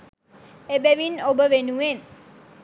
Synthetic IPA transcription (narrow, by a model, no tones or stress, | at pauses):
ebeʋinobəʋenuen